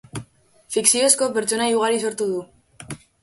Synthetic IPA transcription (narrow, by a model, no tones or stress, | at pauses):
fiksio̞sko̞pe̞ɾt͡ʃo̞naiuɣaɾiso̞ɾt̪uð̞u